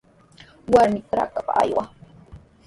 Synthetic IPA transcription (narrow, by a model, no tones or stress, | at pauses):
waɾmɪkɾa̰kapa̰ʔa̰jwa